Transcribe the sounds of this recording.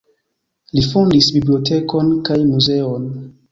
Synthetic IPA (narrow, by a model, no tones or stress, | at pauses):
lifondisbibliotʰeko̞nkajmuze̞on